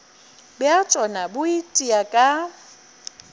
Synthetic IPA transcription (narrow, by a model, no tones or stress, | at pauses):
bɪat͡ʃʼɔnabʊitʼiakʼa